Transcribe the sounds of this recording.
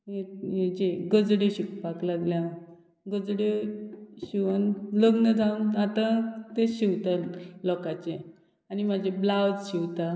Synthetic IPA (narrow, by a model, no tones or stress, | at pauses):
ejed͡ʑeɡəd͡zɽeɕikpaklaɡljã | ɡəd͡zɽe | ɕiʋənləɡnəd͡zʱaunat̪ãt̪eɕiwt̪alɔkat͡ɕẽ | animad͡ʑʱeblawd͡zɕiwt̪a